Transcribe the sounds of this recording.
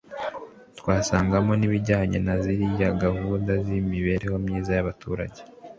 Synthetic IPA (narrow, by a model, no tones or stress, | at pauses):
twaːsaːŋɡamo̞niβiɟaːɲe̞naziɾijaɡahundazimiβe̞ɾe̞ho̞mɲiːzajaβatuːɾa̰ɟe